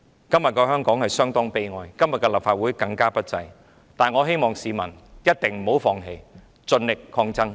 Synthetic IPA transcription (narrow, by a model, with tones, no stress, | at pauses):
kɐ˥mjɐ˨t̚kɔː˧ɦœː˥ŋkɔː˨˥ŋhɐ˨˩jsœː˥ŋt̪ɔː˥ŋpe˧jŋɔː˨˧jkɐ˥mjɐ˨tkɛː˧lɐ˨p̚faː˨t̚wu˨˥jkɐ˧ŋkaː˥pɐ˥t̚t͡sɐ̰˧j | t̪aː˨nŋɔː˨˧ɦe˥jmɔː˨ŋsiː˨˧mɐ̰˨˩njɐ˥t̚t̪ɪ˨ŋm̩˨˩ho˨˥wfɔː˨ŋɦḛ˨˩j | t͡sɵ˧nlɪ˨k̚kʰɔː˧ŋt͡sɐ˥ŋ